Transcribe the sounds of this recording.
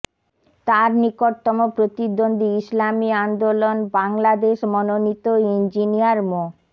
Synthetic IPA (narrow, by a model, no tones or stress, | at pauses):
t̪aɾnikoɾt̪ɔmopɾot̪id̪ond̪ʱiislamiand̪olonbaŋlad̪eʃmɔnonit̪oind͡ʑiniaɾmo